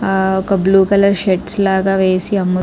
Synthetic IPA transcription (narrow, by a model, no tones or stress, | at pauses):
ɔkɐbluːkɐlɐɾʃeʈslaːɡaːʋeːsiɐmːu